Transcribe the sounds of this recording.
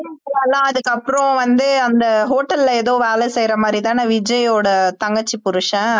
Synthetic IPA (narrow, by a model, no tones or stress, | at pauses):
ɐlːãːɐðɯkːɐpːɯɾɔ̃ʋɐnd̪ɯɐnd̪ɐɦoːʈːɐlleːðoːʋeːlɛsɛjɾɐmaːd̪ɾit̪ãːnaːʋɪd͡ʒɐjoːɽɐt̪ɐŋɡɐt͡ʃːɯpʊɾɯʂɐ̃